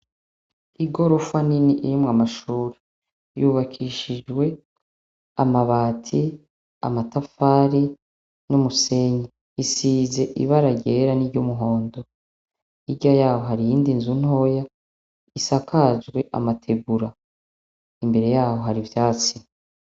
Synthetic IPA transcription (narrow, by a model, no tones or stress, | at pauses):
iɡo̞ɾofwaniniʔiɾimŋamaʃuːɾe̥ | juβakʰiʃid͡ʒɡwe̞ | a̰maβaːtʰi | a̰matafaɾi | numuse̞ɲi | isiːze̞ʔḭβaɾaɟe̞ɾaniɾɟomuɦo̞ːndo̞ | iɾɟajaːho̞ɦaɾijiːndinzun̥ho̞ja | isakʰazɡwe̞ʔa̰matʰe̞ɡuɾa | imbe̞ɾe̞jaːho̞ɦaɾivjaːt͡si